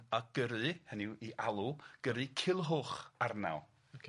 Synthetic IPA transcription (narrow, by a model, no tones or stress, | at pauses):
aɡ̥əɾɨhənɪwiʔalˠuɡ̥əɾɨkʰɪlˠɦʊχarna̰w